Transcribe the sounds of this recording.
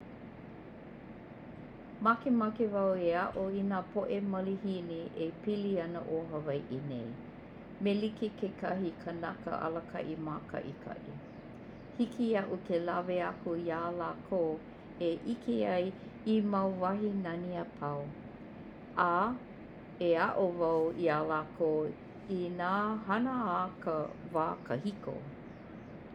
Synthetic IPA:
makemɐkevɐweɐʔoinaːpʰoʔemɐlihiniʔepiliɐnəʔoːɦɐvɐjʔinḛj | melikekekɐɦikʰənɐkə̰ʔɐ̰lɐkʰɐ̰ʔimaːkʰɐ̰ʔikʰɐ̰ʔḭ | hikʰiɐʔukʰelɐveɐkujaːlaːkʰoː | eʔikʰeɐjimɐwvɐɦinɐniapʰɐw | a | eaʔovawialaːkʰoː | inaːɦɐnəakəvaːkʰəhiko̰

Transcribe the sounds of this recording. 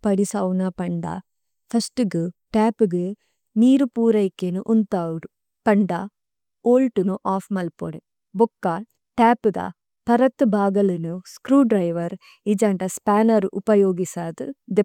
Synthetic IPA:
pɐɽisaːwunɐpɐɳɖa̰ | pʰɐsʈuɡuʈaːpuɡe | niːɾupuːɾɐjkːenuʔunt̪aːwuɾu | pɐɳɖa | oːlʈunuʔaːfmɐlpo̰ɽe | bɔkːa | ʈaːpud̪ɐ̰ | pɐɾɐt̪ːubʱaːɡɐlinuskɾuːɖɾɐjʋɐɾ | id͡ʒɐɳɖɐspaːnɐɾuʔupɐjoːɡisaːd̪ṵd̪e

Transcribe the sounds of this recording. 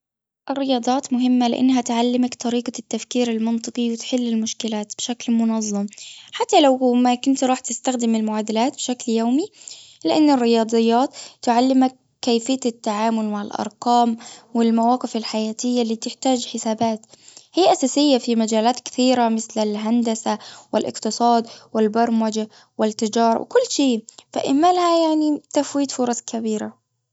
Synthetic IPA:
ʔɪrːɪjɑːd̪ˤɑːt̪mʊɦɪmːalɪʔa̰nːɦat̪ʕalːɪmakt̪ɑɾiːqɑt̪ːafkiːɾɪlmɑnt̪ˤɨqiwɪt̪ħɪlːɪlmʊʃkɪlaːt̪b̥ɪʃaklmʊnɑzˤːɑmħat̪ːalawmakʊnt̪ɾˤɑːħt̪ɪst̪axd̪ɪmɪlmʊʕaːd̪ɪlaːt̪̚bɪʃakljoːmilɪʔanːɪrːɪjɑːd̪ˤɨjːɑːt̪ːʊʕalːɪmakːaːjfɪjːaɪt̪ːaʕaːmʊlmaʕɪlʔɑ̰ɾˤqɑːmwɪlmawɑːqɪfɪlħajaːt̪ɪjːalːiːt̪ɪħt̪aːd͡ʒħɪsaːbaːt̪hɪjːaʔasaːsɪjːafimad͡ʒaːlaːt̪kɪ̥θiːɾamɪθlɪlɦand̪asawɪlʔɪ̰qt̪ɨsˤɑːd̪wɪlbɑɾˤmad͡ʒa | wɪlt̪ːɪd͡ʒɑːɾˤɑ̰wʔɪ̰kʊlːʃeːfa̰ʔɪmalhajaʕnit̪afwiːt̪fʊɾˤɑsˤkʰabiːɾa

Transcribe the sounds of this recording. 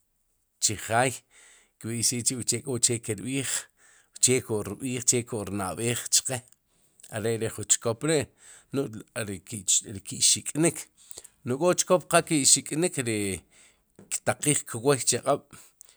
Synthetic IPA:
t͡ʃiχaːj | kɓiʃiːʔt͡ʃiʔwt͡ʃeʔkʼot͡ʃekiɾɓiːχ | t͡ʃeːʔkoʔɾiɓiːχt͡ʃekoʔɾna̰ʔɓeːχt͡ʃqe | a̰ɾeʔɾeχunt͡ʃkopɾeʔ | nuʔɾɾikiʃikʼnikʰ | nuʔkʼot͡ʃkopqaʔkiʃikʼnikɾi | kt̪aqiːχkwojt͡ʃiaqʼaɓ̥

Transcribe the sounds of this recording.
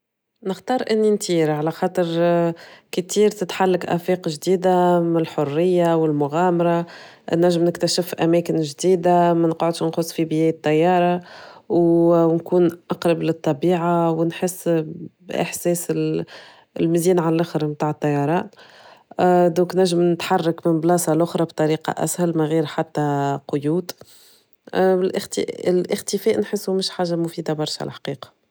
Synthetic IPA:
nɪxt̪ɑːɾˤʔɪnːint̪iːɾʕalæxɑːt̪ˤəɾ | kət̪iːɾt̪ɪt̪ħalːakʔæ̰fiːqʒd̪iːd̪amɪlħʊrːɪjːawɪlmʊɣæːmɑɾˤɑ | nːæʒːəmnɪkt̪æʃɪfʔæmɛːkɪnʒd̪iːd̪amænqʕʊd̪ʃnxʊsˤːfibɪjɛːjət̪ˤːɑjːɑːɾˤɑwnkuːnʔɑqɾˤɑblɪt̪ˤːɑbiːʕawnħɪsː | ʔɪ̰ħsɛːsɪ | lmɪziːnʕallʔaxɾmt̪aːʕət̪ˤːɑjɑɾˤɑːt̪ | d̪õːknæʒːɪmnɪt̪ħɑrˤːɑkmɪnblɑːsˤɑlʔʊxɾˤɑbt̪ˤɑɾiːqɑ̰ʔæ̰shælmæɣiːɾħat̪ːæqʊjuːd̪ | lʔxt̪lʔɪxt̪əfɛːʔnħɪsːumɪʃħaːʒamʊfiːd̪abɑɾˤʃaʕl̰ħḁqiːqɑ̥

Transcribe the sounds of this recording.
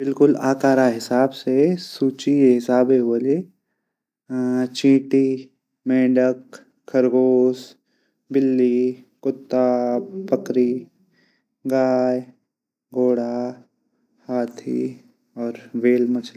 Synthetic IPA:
bɪlkʊlaːkaːɾaɦɪsaːbsesuːt͡ʃieɦɪsaːbeɦəle | t͡ʃĩːʈi | mẽːɖək | kʰːəɾɡoːs | bɪlːikʊt̪ːapəkɾi | ɡaːj | ɡoːɽa | haːt̪ʰḭ | ɔːɾʋeːlmɐt͡ʃʰl

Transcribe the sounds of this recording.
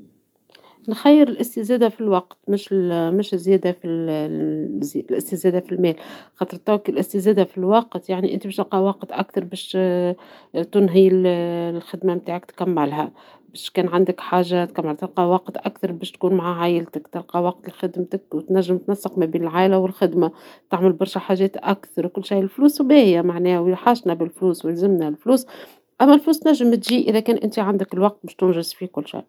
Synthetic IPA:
nxæjːɪɾɪlʔɪst̪izæːd̪afilwɑq̚t̪mɪʃmɪʃɪzːjɛːd̪afi | zlʔɪst̪izæːd̪æfilmɛːlxɑːt̪ˤɾˤt̪ɑwkilʔɪst̪izæːd̪afilwɑqt̪jaʕniʔɪ̰nt̪ibɛːʃt̪ɑlqɑwɑqt̪ʔa̰kθɑɾˤbɛːʃ | t̪ʊnɦillxɪd̪mamt̪aːʕɪkt̪kæmːɪlɦæ | bɛːʃkɛːnʕand̪əkħaːʒːat̪̚kæmːɪlt̪ɪlqɑwɑqt̪ʔækθɑɾˤbɛːʃt̪kuːnmʕaʕaːjɪlt̪ɪkt̪ɪlqɑwɑq̚t̪ɪlxɪd̪mt̪əkwt̪næʒːəmt̪nasːəqmæbiːnɪlʕaːlæwɪlxɪd̪mat̪aʕmɪlbɑɾˤʃæħaʒɛːt̪ʔækθɑɾwkʊlːʃajɪlfluːswbæhɪjæmaʕnɛːwħaːʃnæbɪlfluːswɪlzɪmnælfluːs | ʔæmːælfluːst̪næʒːɪmt̪ʒiːʔɪðækɛːnʔɪnt̪iʕand̪əkɪlwɑq̚t̪̚bɛːʃt̪ʊnʒɪzfikʊlːʃa̰j

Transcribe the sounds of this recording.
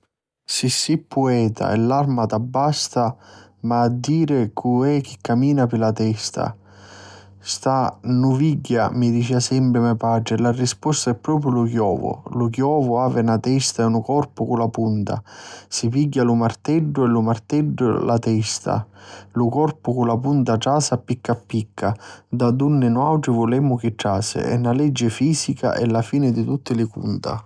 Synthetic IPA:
sisːipːuɛːt̪ʰa̰ɛ̰lːarmat̪abːast̪amaːd̪ːiːɾɪkʰuɛk̟ːikːamiːnapɪlat̪ɛst̪a̰ | st̪anuviɟːamid̪it͡ʃɛːasɛmpɾɪmɛpat͡ʃɪlarispɔst̪aɛpːɾɔːpɾjʊlukjɔ̰ːvʊ̰lʊkjɔːvʊaːvɪnat̪ɛst̪aɛunʊkɔrpʊkulapunt̪a̰sipiɟːalʊmart̪ɛɖːʊɛlumart̪ɛɖːʊ̰lat̪ɛst̪a̰lʊkɔrpʊkulapunt̪aʈɾaːsapːikːapːikʰːad̪ad̪unːɪnʊawʈɾɪvʊlɛmːʊk̟ɪʈːaːsɪ̰ɛ̰nːalɛd͡ʒːɪfiːsika̰ʔɛlːafiːnɪd̪it̪ut̪ːɪlɪkṵnt̪a̰

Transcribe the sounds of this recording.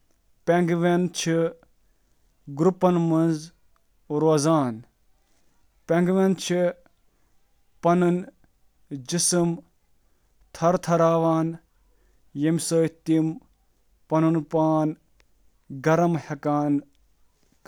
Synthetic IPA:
peŋɡʋent͡ʃʰi | ɡɾupɐnmɐnz | ɾoːzaːn | peŋɡʋent͡ʃʰi | pɐnɨn | d͡ʒisɨm | t̪ʰɐɾt̪ʰɐɾaːʋaːn | jemsoːit̪im | pɐnunpaːn | ɡɐɾɐmhɐkaːn

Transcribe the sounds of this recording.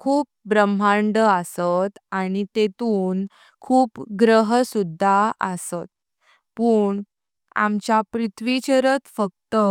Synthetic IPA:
kʰuːp̚bɾəm̤aɳɖəəsət̪aɽ̃it̪et̪uːn | kʰuːpɡɾəɦəsud̪ʱːaəsət̪̚ | pəɳ | a̰mt͡ɕjapɾit̪ʰʋit͡ɕəɾət̪fək̚t̪ə

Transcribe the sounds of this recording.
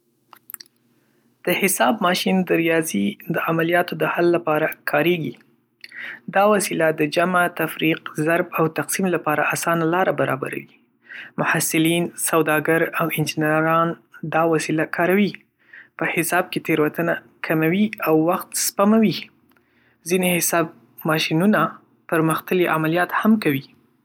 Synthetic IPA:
d̪̥əhɪsɑb̚mɑʃind̪əɾijɑzid̪əamalijɑt̪od̪əhalːapɑɾakʰɑɾeɡi | d̪ɑwasilad̪əd͡ʒamat̪afɾiqzaɾbawt̪aqsimlapɑɾa̰ʔasɑnalɑɾabaɾɑ̰ba̰ɾa̰wi | mʊhasɪlinsawd̪ɑɡaɾawɪnd͡ʒɪnɾɑnd̪ɑwasilakʰɑɾawi | pəhɪsɑb̚ket̪eɾwat̪əna | kʰamawiawːaxt̪spamawi | zinehɪsɑb | mɑʃinuna | pəɾməxt̪əliʔa̰malijɑt̪hamkawi

